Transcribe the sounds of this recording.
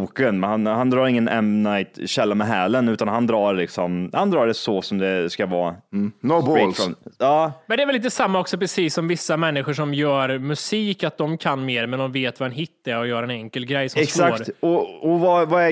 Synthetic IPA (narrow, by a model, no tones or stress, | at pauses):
uːkənhanhand̪ɾɑːɾɪŋːənɛ̰mnaɪt̪ɕɛlːamɛɦæːlənʉ̟ːt̪anɦand̪ɾɑːɾlɪksɔmhand̪ɾɑːɖɛsɔsɔmd̪ɛskavɑ̰ːnobɛlɔɑːmɛnd̪ɛɾvlːiːt̪əsamːaɔksɔpɾɛsiːsːɔmvɪsːamɛnːɪɧʊʂɔmjœːɾmɵsiːkat̪̚d̪ɔmkʰanːmeːɾmɛnd̪ɔmveːt̪vaɛnɦɪt̪ːɛɾɔjœːɾaɛnɛŋkəlɡɾɛjsɔɛsksakːɾt̪ɔɔvavaɛ